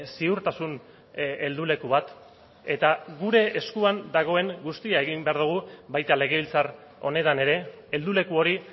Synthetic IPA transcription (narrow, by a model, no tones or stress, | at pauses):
siuɾt̪asun | e̞ld̪ule̞kuβat̪ | e̞t̪aɣuɾe̞ːskuand̪aɣ̞o̞e̞ŋɡust̪iae̞ɣimbe̞aɾð̞uɣ̞uβajt̪ale̞ɣ̞e̞βilt͡saɾ | o̞̰ne̞t̪ane̞ɾe̞ | eld̪ule̞kuo̞ɾi